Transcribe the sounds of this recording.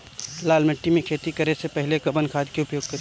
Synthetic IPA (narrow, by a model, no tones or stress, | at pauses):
laːlmɪʈːimẽkʰeːt̪ikɐɾesepɛɦɪlekɐbənkʰaːd̪keʊpjoːɡ̚kɐɾ